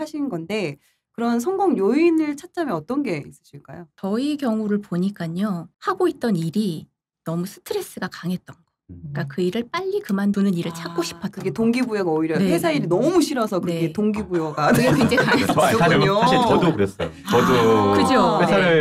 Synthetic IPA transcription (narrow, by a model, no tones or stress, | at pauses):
aɕʰinnɡʌnde̞ | kɯɾʌnsʰʌŋɡoŋjoinɯɭt͡ɕʰat̚t͡ɕ͈ameʌt͈ʌnɡe̞is͈ɯ̥ɕʰiɭk͈a̰jot͡ɕʌikjʌŋuɾɯɭpoɲik͈aɲohaɡoit̚t͈ʌniɾi | nʌmusʰɯ̥tʰɯɾe̞s͈ɯɡakaŋɦet̚t͈ʌnɡ̥ʌk͈akɯiɾɯɭp͈aʎːikɯmandunɯniɾɯɭt͡ɕʰak̚k͈oɕʰi̥pʰʌtk͈ɯɡetoŋɡibujoɡaoiɾjʌneesʰaiɾinʌmuɕʰiɾʌsʰʌkɯne̞etoŋɡibujoɡanekend͡ʑekaŋeoɲoaiʌdokɯɾes͈ʌjoʌdokɯd͡ʑoeaɯ